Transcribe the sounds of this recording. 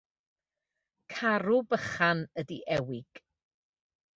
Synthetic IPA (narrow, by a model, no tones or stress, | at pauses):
kʰaɾubəχanədiʔɛwɪɡ̥